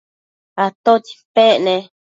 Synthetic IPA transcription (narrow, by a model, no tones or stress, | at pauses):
at̪ot͡ʃi̥peʔne